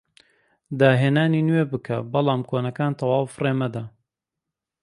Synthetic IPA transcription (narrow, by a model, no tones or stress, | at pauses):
d̪aːɦeːnaːniːnweːbɨkʰɐbɑlˠɑːmkʰoːnɐkaːnt̪ʰɐwaːwfɨreːmɐd̪a